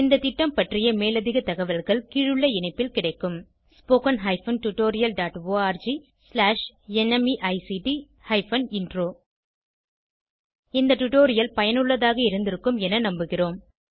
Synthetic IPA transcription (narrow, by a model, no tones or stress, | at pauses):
ɪnd̪ɐt̪ɪʈːɐmpɐʈrɪjɐmeːlɐðɪɣɐt̪ɐɣɐʋɐlɣɐɭkiːɻɯɭːɐɪɳɐɪpːɪlkɪɽɐɪkːɯm | spoːkɐnɦɐɪfɐnʈʊʈːoːɾɪjɐlɖaːʈʋoːaːɾd͡ʒi | slaːʂɛnɛmiʔɐɪsiʈi | hɐɪfɐnɪnɖroː | ɪnd̪ɐʈʊʈoːɾɪjɐlpɐjɐnɯɭːɐðaːɣɐɪɾɯnd̪ɪɾɯkːɯmɛnɐnɐmbɯɣɪroːm